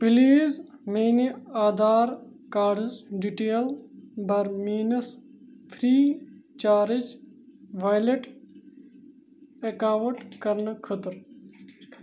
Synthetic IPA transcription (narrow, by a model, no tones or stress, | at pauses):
piliːzmeːnaːd̪aːɾ | kaːɖzɖiʈeːlbɐɾmiːnɐs | pʰɾiːt͡ʃaːɾid͡ʒʋaːjleʈ | ekaːʋɐʈkɐɾnkʰət̪ɾ